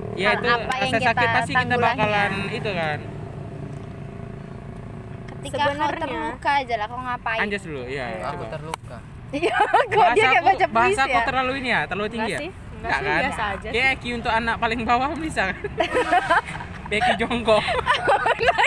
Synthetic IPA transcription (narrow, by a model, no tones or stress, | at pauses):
jait̪uaaasasakɪt̪̚past̪ikit̪abakalanit̪ukan | kət̪isəkabnt̪əlukad͡ʒalakaŋapaaɲd͡ʒasduluija̰uba̰ərluka̰ | jaɡoaaaabat͡ʃabaɦasakot̪ərlaluinijat̪ərlut̪iŋŋɡija | ɡaʔkanad͡ʒkajaakiunt̪ʊkanak̚palɪŋbawaamisakan | bekid͡ʒɔŋkɔ